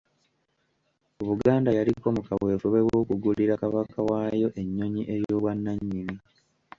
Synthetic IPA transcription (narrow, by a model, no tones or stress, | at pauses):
oβuɡaːndajaliko̞mukaβwe̞ːfuβe̞woːkuɡuliɾakaβakawaːjo̞ʔe̞ɲːo̞ɲiʔe̞jo̞ːβwanːaɲːimi